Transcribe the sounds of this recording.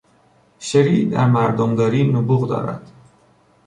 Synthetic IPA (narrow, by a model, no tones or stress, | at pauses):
ʃeɾiːd̪æ̰ɾmæɾd̪omd̪ɒːɾiːnobuːɣd̪ɒ̰ːɾæ̰d̪̥